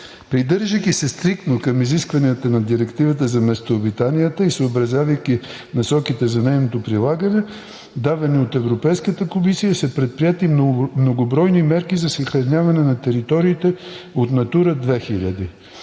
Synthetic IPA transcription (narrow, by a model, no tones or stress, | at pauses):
pɾid̪ɤɾʒəkʲisɛst̪ɾik̚t̪nokɐmiziskvɐniət̪ənɐd̪iɾɛkt̪ivət̪əzɐmɛst̪oːbit̪anijət̪əisoːbɾɐzʲjavɐjkʲi | nɐsɔkit̪ɛzɐnɛjnot̪opɾilˠaɡɐnɛ | d̪avɛniot̪ɛvɾopɛjskət̪əkomisijəsɛpɾɛt̪̚pɾiɛt̪imnoɡobɾɔjnimɛɾkizɐsəxɾɐnʲavɐnɛnɐt̪ɛɾit̪ɔɾiːt̪ɛot̪nɐt̪uɾəd̪vɛxilʲɐd̪i